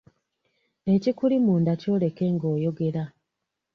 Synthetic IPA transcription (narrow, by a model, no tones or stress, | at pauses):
e̞cikulimuːndaco̞ːle̞ke̞ŋɡo̞ːjo̞ɡe̞ɾa